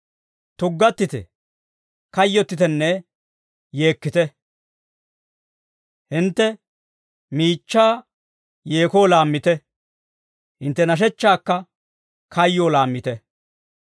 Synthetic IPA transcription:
t̪ʊɡːɐt̪ːɪt̪ɛ̰ | kɐjːɔt̪ːɪt̪ɛnːɛ | je̞ːkːɪt̪ɛ | hɪnt̪ːɛ | miːt͡ʃːaː | jeːkoːlaːmːɪt̪ɛ | hɪnt̪ːɛnɐʃ̬ɛt͡ʃːaːkːɐ | kʰɐjːoːlaːmːɪt̪ɛ

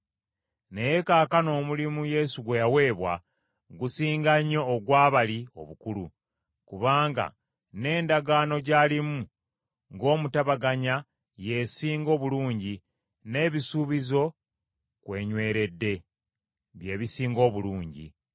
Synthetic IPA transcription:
ne̞je̞kaːkano̞ːmulimuje̞suɡwe̞jawe̞ːβwa̰ | ɡusiːŋɡaɲːo̞ːɡwaːβalio̞̰βukulṵ | kuβaːŋɡa̰ | ne̞ːndaɡano̞ɟaːlimu | ŋɡo̞ːmutaβaɡaɲa | je̞siːŋɡo̞ːβuluːɲɟi | ne̞ːβisuβizo̞ | kwe̞ːɲwe̞ːɾe̞dːe̞ | βje̞ːβisiːŋɡo̞ːβuluːɲɟḭ

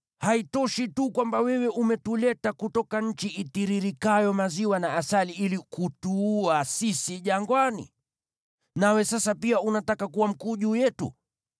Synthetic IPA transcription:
haitɔʃitukwambawɛwɛʔumɛtulɛtakutɔkaɲ̩t͡ʃiʔitiɾiɾikajɔmaziwanaːsaliilikutuuːasisiʄaŋɡwanḭ | nawɛsasapiaunatakakuwam̩kuːʄuːjɛtṵ

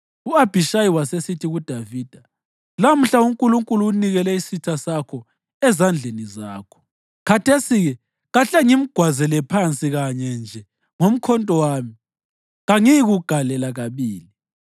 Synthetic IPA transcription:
uab̥ʱiʃajiwasesitʰiɣud̥ʱaviːd̥ʱa | lam̩ɬauŋkʼuluŋkʼuluːniɣɛlɛisitʰasakʰɔ | ɛzand͡ɮʱenizaːkʰɔ̥ | kʰatʰesiɣɛ | ɣaɬɛŋim̩ɡ̥ʱwazɛlɛpʰant͡sʼiɣaɲɛnd͡ʒʱɛ | ŋom̩kʰɔntʼɔwaːmi | ɣaŋiɣuɡ̥ʱalɛlaɣaβiːli

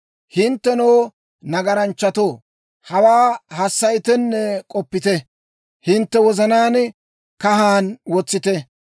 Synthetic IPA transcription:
hɪnt̪ːɛnoː | nɐɡɐɾɐnt͡ʃːɐt̪oː | hɐwaːhɐsːɐjt̪ɛnːɛkʼɔpːɪt̪ɛ | hɪnt̪ːɛwɔzɐnaːn | kɐɦaːnwɔt͡sːɪt̪ɛ

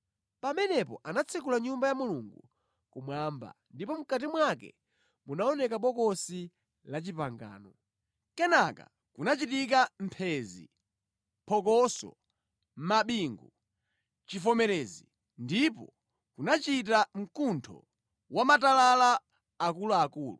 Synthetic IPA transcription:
pamɛnɛpɔ̰ʔanat͡sʰik̬ulaɲumbajamuluŋɡu | kumwamba̰ndipɔm̩kat̬imwakɛ̰ | munaɔnɛkaɓɔkɔsi | lat͡ʃipaŋɡa̰ːnɔ | kɛnaka̰ | kunat͡ʃitik̬am̩pʰɛzḭ | pʰɔkɔsɔ̰ | m̩maɓiŋɡu | t͡ʃifɔmɛɾɛzi | ndipɔ | kunat͡ʃit̬am̩kuntʰɔ̰ | wamatalala | akuluakuːlu

